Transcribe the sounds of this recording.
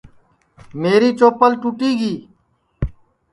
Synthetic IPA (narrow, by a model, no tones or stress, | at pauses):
meːɾiːt͡ʃoːpəlʈuːʈiːɡiː